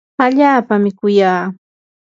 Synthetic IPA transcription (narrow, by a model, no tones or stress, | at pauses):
aʎaːpamɪkʊjaː